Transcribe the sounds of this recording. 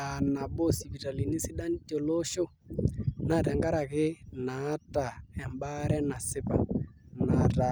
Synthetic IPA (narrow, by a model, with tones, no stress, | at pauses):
a˨na˨bo˦si˨bi˨ta˨li˨ni˦si˦ɗa˦n˦d͡ʒo˨lo˦ʃo˦ | na˨tɛ˨ŋɡa˦ɾa˨ɣɪ˦na˨˦ta˨ɛ˨mba˦ɾɛ˦na˨sɪ˦pa̰˨na˨ɾa˨